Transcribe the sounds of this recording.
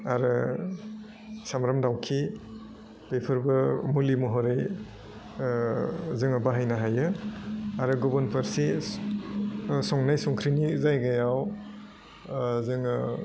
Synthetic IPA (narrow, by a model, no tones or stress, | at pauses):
aɾɯ | samɾamdawkʰi | pepʰɯɾbɯmulimɔɦɔɾɯj | zɯŋɯbaɦajnaɦajɯ | aɾɯɡɔbɔnpʰɐɾsi | sɔŋnajsɔŋkʰɾinizajɡajaw | zɯŋ